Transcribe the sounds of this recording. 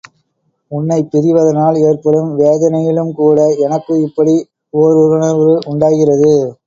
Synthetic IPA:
ʊnːɐɪpːɪɾɪʋɐðɐnaːleːrpɐlɯmʋeːðɐnɐjɪlɯmkuːɽɐɛnɐkːɯɪpːɐɽi | oːɾɔɾɯnɐʋɾɯʔʊɳɖaːɣɪrɐðɯ

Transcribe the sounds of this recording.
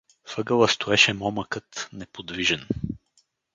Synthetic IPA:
fɤɡəlˠəst̪oɛʃɛmɔməkət̪nɛpod̪viʒɛn

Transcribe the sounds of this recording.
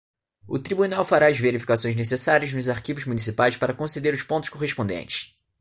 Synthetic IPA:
ʊ̰t̪ɾibunawfaɾaɐzveɾifi̥kasõj̃nesesaɾiɐznʊzaɾkivʊzmunisipajspaɾɐkõsed̪eɾʊʃpõt̪ʊ̥ʃkoɦeʃpõd̪ḛ̃nt͡ʃɪ̥s

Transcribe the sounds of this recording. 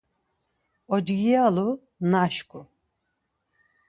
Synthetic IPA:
ɔd͡ʒɡijalu | naʃkʼu

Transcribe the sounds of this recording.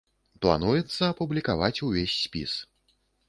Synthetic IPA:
plˠa̰nujɛt̪sːɐːpublʲikavat͡sʲuvʲesʲːpʲḭs

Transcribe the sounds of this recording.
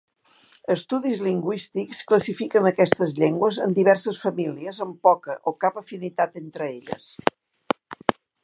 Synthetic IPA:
əst̪uðizliŋɡwist̪ikskləsifikənəkɛst̪əzʎeŋɡwəzənd̪iβɛɾsəsfəmiliəzəmpɔkəʔokapəfinit̪at̪ent̪ɾəeʎə̰s

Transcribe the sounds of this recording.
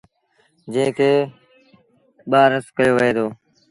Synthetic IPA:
d͡ʒẽːkeː | ɓaːɾəskəjoːʋɦeːd̪oː

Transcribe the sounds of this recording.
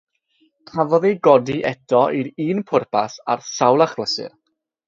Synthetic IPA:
kʰavɔðiɡɔdiʔɛtʰɔʔiɾiːnpʰʊrpʰasa̰rsawlˠaχləsɨ̰r

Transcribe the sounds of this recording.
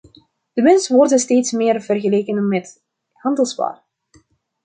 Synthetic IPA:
d̥əmɛnsəʋɔrdənsteːtsmeːrvərɣəleːkənmɛt | hɑndəlˠspa̰ːr

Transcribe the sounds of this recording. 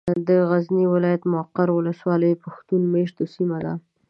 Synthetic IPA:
d̪əɣazniwɪlɑjat̪mʊaqːaɾwʊləswɑləjpaxt̪unmeʃt̪osimad̪a̰

